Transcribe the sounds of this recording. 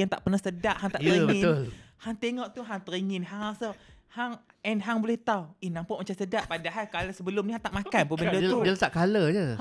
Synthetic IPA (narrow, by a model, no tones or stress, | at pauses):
jaŋt̪aʔpərnahsədaʔɦaŋt̪aʔəiŋəɪolhaŋt̪eŋɔʔt̪uɦaŋt̪əɾiŋɪnɦaŋasə | haŋ | ɛnɦaŋbolɛht̪awinãmpaʔmat͡ʃansədaʔpadaɦajkalasəbəlʊmniɦaŋt̪aʔmakanpubəndət̪udəlt̪aʔkaləd͡ʒə